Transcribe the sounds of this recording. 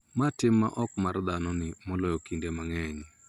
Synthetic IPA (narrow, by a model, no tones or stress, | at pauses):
matɪmːa̰ʔɔkmard̪anɔnɪmɔlɔjɔkindemaŋɛɲ